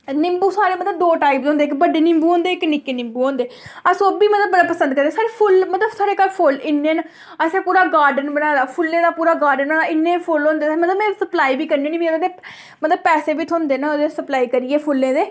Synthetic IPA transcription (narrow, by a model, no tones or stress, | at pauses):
nɪmbuːsaːɾeːmət̪ləb̚d̪oːʈaːipzõːnd̪eːkbəɖeːnɪmbuːɦõːnd̪eːɪknɪkeːnɪ̃mbuːɦõːnd̪eːəsoːbiːmət̪ləbːəɖapəsənd̪kəɾd̪eːsaːɾeːpʰʊlmət̪ləbsaːɾeːkəlpʰʊlɪnːẽːn | əsẽːpuːɾaːɡaːɾɖənbəɽaːd̪aːpʰʊlːẽːd̪aːpuːɾaːɡaːɾɖənəɪnːẽːpʰʊlõːnd̪eːmət̪ləbmɛ̃ːsəplaːiːbiːkəɾnĩːnĩːbiːãd̪eː | mət̪ləb̚pɛːseːbɪt̪ʰõːnd̪eːnãːod̪esəplaːiːkəɾijeːpʰʊlːẽːd̪eː